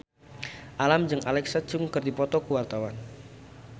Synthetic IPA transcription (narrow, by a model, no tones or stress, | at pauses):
ʔalamd͡ʒɨŋʔalɛksat͡ʃʊŋkɨrdipɔt̪ɔkəwart̪awan